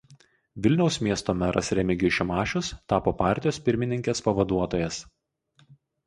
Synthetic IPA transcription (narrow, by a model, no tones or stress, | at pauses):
ʋʲɪlʲnʲɛʊsʲmʲiɛst̪oːmʲɛɾʔɐ̰sɾʲɛmʲɪɡʲʊʃʲɛmɑːʃʲʊst̪ɑːpoːpɑˑɾʲt̪ʲɪjoːspʲɪɾʲmʲɪnʲɪŋʲkʲeːspɐʋɐd̪uɔt̪oːjɛs